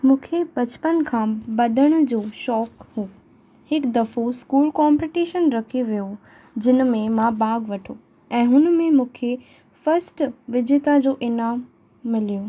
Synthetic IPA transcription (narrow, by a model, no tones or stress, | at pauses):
mũːkʰepɐt͡ɕpənkʰãːbɐd̪ʱəɽ̃̆d͡ʑoːʃɔːkhuː | hɪkd̪ɐfoskuːlkɔːmpiʈiːʃənɾɐkʰiʋijo | d͡ʑɪnəmẽmãbaːɡʋɐʈʰo | ɛ̃ːɦʊnmẽmũːkʰe | fɐɾsʈʋɪd͡ʑʱet̪ad͡ʑoːʔɪnaːmː | ɪlijoː